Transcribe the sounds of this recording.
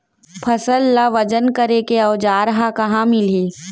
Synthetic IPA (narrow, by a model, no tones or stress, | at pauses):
pʰɐsəlːaʋɐd͡ʒənkɐɾekeɐːd͡ʒaːɾɐɦakɐɦãmɪleː